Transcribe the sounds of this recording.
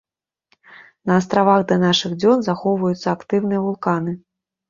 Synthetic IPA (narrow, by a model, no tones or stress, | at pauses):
nɐːst̪ɾavaɣd̪ɐnaʂɨɣd͡zʲɔnzaxɔwvɐjut̪sːɐakt̪ɨwnɨjɐvulˠkanɨ